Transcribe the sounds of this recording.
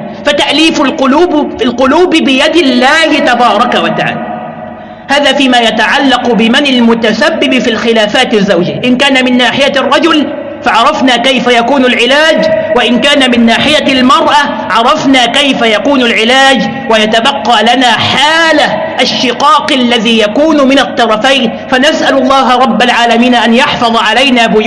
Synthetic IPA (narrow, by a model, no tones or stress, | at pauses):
fat̪aʔliːfʊlqʊluːbɪlqʊluːbɪbɪjad̪ɪlːaːhɪt̪abɑːɾˤɑkawat̪aʕa̰ːla | haːðaːfiːmaːjat̪aʕalːɑqbɪmanɪlmʊt̪asabːɪbɪfiːlxɪlaːfaːt̪ɪzːawd͡ʒɪʔɪnkaːnamɪnːaːħɪjarˤːɑd͡ʒʊl | faʕɑɾˤɑfnaːkajfajakuːnalʕɪlaːd͡ʒwaʔɪnkaːnamɪnːaːħɪjalmɑɾˤʔa | ʕɑɾˤɑfnaːkajfajakuːnalʕɪlaːd͡ʒ | wajat̪abɑqːɑːlanaːħaːla | ʔaʃːɪqɑːqalːaðiːjakuːnʊmɪnat̪ˤːɑɾˤɑfajn | fanasʔalʊlˤːɑːɦɑɾˤɑbːalʕaːlamiːnʔanjɑħfɑðˤɑʕalajnaːbʊj